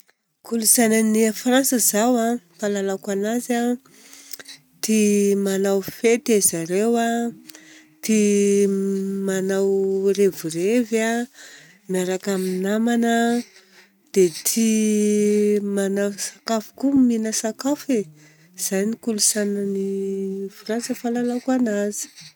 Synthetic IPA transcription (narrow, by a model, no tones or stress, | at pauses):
kulusananiafirasəzawapalalakanaza | t̪imanawfet̪ezaɾewa | t̪i | manawrevureva | mjaɾakaminamanə | d̪̥et̪ʰi | manawsakafu̥kuminəsakafe | z̥ajnikulusanənifuɾant͡səfalalakanazi̥